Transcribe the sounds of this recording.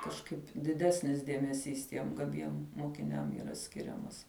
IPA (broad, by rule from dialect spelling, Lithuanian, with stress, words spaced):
kɐʃˈkɐɪp dʲɪˈdʲæːsʲnʲɪs dʲeːmʲɛˈsʲiːs ˈtʲiɛm ɡɐˈbʲiɛm moːkʲɪˈnʲɛm iːˈrɐ ˈsʲkʲɪrʲɛmɐs